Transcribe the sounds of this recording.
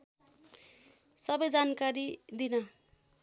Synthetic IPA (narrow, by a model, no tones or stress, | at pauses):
sʌbʌjd͡zankaɾid̪inʌ